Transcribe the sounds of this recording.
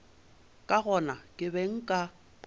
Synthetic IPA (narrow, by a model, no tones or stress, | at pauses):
kʼaɣɔnakʼɪbɛŋ̩kʼa